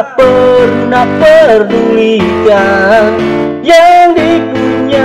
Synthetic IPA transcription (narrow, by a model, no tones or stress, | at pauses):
pərnapərbulika | jaŋdiɡuɲa